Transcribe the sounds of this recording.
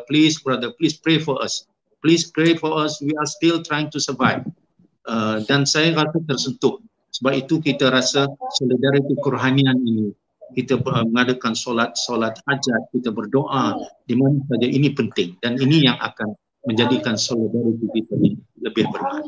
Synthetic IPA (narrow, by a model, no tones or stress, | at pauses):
plisbɾadəplispɾefɔɾas | plispɾefɔɾaswiastɪlt̪ɾajɪŋt̪usərvajv | ədansajaɾasat̪ərsənt̪ʊh | səbap̚it̪ukit̪aɾasasolidaɾit̪ikəɾuɦanianini | kit̪aməŋadakansolat̪̚solat̪̚had͡ʒat̪̚kit̪abərdoʔadimanasad͡ʒaʔinipənt̪ɪŋdaninijaŋa̰kan | mə̃ɲd͡ʒadikansolidaɾit̪ikit̪ajaŋləbɪhbərma̰n